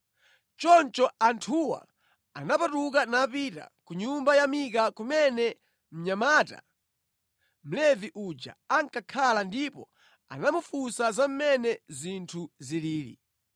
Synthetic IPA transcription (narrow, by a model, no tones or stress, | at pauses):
t͡ʃɔnt͡ʃɔantʰuwa̰ | anapatukanaːpita̰kuɲumbajamikakumɛnɛ | m̩ɲamaːta̰ | m̩lɛviʔud͡ʒa̰aŋkakʰalandipɔ | a̰namufusazam̩mɛnɛzintʰuziliːlḭ